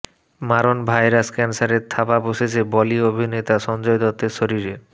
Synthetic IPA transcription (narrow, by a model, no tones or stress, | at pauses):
maɾonbʱajɾaskɛnsaɾeɾt̪ʰapaboʃet͡ɕʰebɔliobʱinet̪aʃɔnd͡ʑoed̪ɔt̪ːeɾʃoɾiɾe